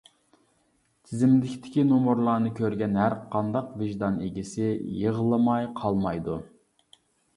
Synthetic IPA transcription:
t̪ʰɪzɪmd̪ɪkʲt̪ʰɪ̥kʲinomoɾlˠɑːnɨkʲʰøɾɡʲɛnhæɾqʰɑnd̪ɑqvɪʒd̪ɑneɡʲɪsɪjəʁəlˠɨmɑjqʰɑlˠmɑjd̪u

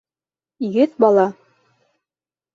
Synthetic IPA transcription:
iɡɘt̪̚bɑlˠɑ

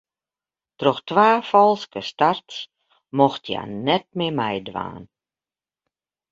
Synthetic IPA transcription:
trɔxtʋaːfɔlˠskəstarts | mɔxtʰja̰ːnɛt̚mɪmɛjdʋa̰ːn

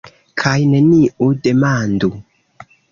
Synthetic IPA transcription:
kʰajne̞niʔude̞mandu

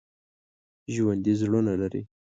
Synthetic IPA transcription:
ʒwand̪izɽunalaɾḭ

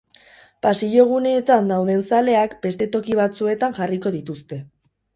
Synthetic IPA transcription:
pasiʝo̞ɣ̞une̞ːt̪and̪awð̞e̞nsale̞akbe̞st̪e̞t̪o̞kiβ̞at͡sue̞t̪aŋʝariko̞ðit̪ust̪e̞

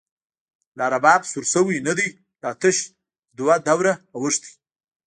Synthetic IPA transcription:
lɑːɾabɑːbsuɾsəwinad̪i | lɑt̪əʃ | d̪wad̪awɾaːwəʂt̪i̥

